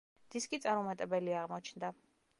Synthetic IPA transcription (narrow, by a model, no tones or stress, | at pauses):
d̪̥iskʼit̪sʼaɾmɔmat̪ʼɛbɛliaʁmɔt͡ʃʰnd̪a